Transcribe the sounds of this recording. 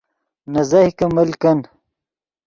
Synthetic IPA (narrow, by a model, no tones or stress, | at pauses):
nɐzɐhikɐmɐlkɐn